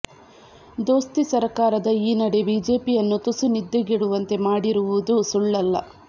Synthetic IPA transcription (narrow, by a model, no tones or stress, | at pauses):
d̪o̞ːst̪isɐɾkaːɾɐd̪ɐiːnɐɽe̞biːd͡ʒe̞ːpijɐnːut̪usunid̪ːeɡiɽuʋɐnt̪e̞maːɽiɾuʋud̪usuɭːɐlːɐ̰